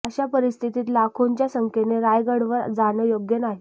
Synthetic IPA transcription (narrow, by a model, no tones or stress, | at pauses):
əɕapəɾist̪ʰit̪iːt̪lakʰoɲt͡ɕjasəŋkʰeneɾajɡəɽʋəɾd͡zaɽ̃əjoɡjənaɦi